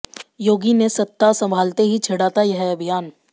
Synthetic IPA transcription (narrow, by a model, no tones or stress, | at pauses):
joːɡinesɐt̪ːasɐ̃mbʱaːlt̪eɦit͡ʃʰɐɽaːt̪ajɐɦɛɐbʱijaːn